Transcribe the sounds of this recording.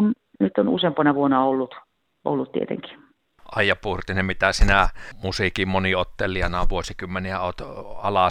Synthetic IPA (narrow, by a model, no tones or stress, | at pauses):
n | nyt̪ːonṵsempɑnɑʋuonɑolːut̪ | ʔo̰lːut̪tḭḛt̪ḛŋki̥ | ɑjːɑpurt̪inemmit̪æsinæmusikimmoniot̪ːeliɑnɑʋuosikymːeniæo̰ːt̪ɑlɑ